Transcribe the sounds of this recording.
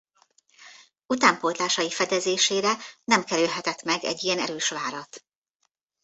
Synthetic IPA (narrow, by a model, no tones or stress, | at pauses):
ut̪aːmpolt̪laːʃɒjifɛd̪ɛzeːʃeːɾɛnɛmkɛɾylɦɛt̪ɛt̪mɛɡɛ̰ɟːijɛnɛɾøːʃʋaːɾɒt̪